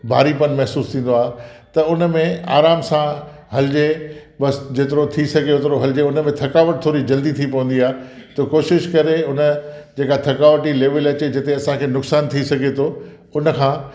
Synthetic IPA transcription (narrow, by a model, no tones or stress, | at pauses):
bʱa̰ːɾipɐnmɐɦsuːst̪ʰĩːn̆d̪oaːɦet̪ɐʊnmẽa̰ːɾaːmsã | ɦɐlɪd͡ʑeɓɐsd͡ʑeːt̪ɪɾot̪ʰisɐɡʱeʊt̪ɪɾoɦɐlɪd͡ʑeʊnəmẽt̪ʰɐkaːʋəʈ̚t̪ʰoːɾid͡ʑɐld̪it̪ʰipɐʋə̃nd̪iaːe | t̪ɐkoːʃɪʃkɐɾeʊnə̆d͡ʑeːkat̪ʰɐkaːʋʈileːʋəlɐt͡ɕed͡ʑɐt̪eɐsãkʰeːnʊksaːnt̪ʰisɐɡʱet̪ʰo | ʊnə̆kʰãː